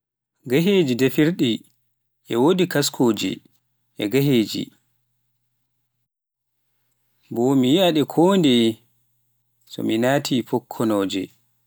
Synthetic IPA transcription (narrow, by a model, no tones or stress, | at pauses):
ɡaɦeːd͡ʒidefiɾɗi | ʔɛwodikaskʰoːd͡ʒḭ | ʔɛɡaɦeːd͡ʒḭ | bɔmijiaɗɛkʰoːndɛ | sɔ̰minaːtʰifɔkʰːɔnɔːd͡ʒɛ̰